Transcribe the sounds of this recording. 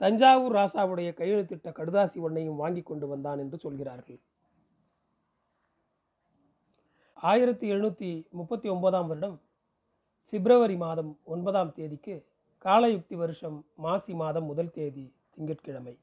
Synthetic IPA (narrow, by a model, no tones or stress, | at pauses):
t̪ɐɲd͡ʒaːʋɯɾɾaːsaːʋɯɽɐjɐkɐjːɐɻɯt̪ːɪʈːɐkɐɽɯðaːsiɔɳːɐjɯmʋaːŋɡɪkːɔɳɖɯʋɐnd̪aːnɛndrɯsɔlɣɪraːɾɣɐɭ | aːjɪɾɐt̪ːɯɛɻnuːt̪ːimʊpːɐt̪ːiɔnbɐðaːmʋɐɾɪɽɐm | fɛbɪɾɐʋɐɾimaːðɐmɔnbɐðaːmt̪eːðɪkːɯ | kaːlɐjʊk̚t̪iʋɐɾɯʂɐmːaːsimaːðɐmːʊðɐlt̪eːði | t̪ɪŋɡɪʈkɪɻɐmɐɪ